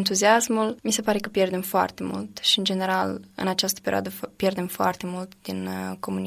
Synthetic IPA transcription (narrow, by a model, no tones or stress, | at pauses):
nt̪uziasmulmise̞paɾe̞kəpje̞rd̪e̞mfoa̰rt̪e̞mṵlt̪ʃiɨnd͡ʒe̞ne̞ɾalɨ̰nat͡ʃast̪ə̥peɾio̰a̰d̪əpje̞rd̪e̞mfoa̰rt̪e̞mult̪d̪inko̞muni